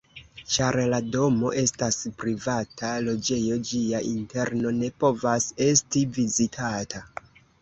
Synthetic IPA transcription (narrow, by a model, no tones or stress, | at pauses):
t͡ʃaɾlado̞mo̞ʔe̞staspɾivatʰalo̞d͡ʒe̞jo̞d͡ʒiaʔinte̞ɾno̞ne̞po̞vase̞stivizitʰata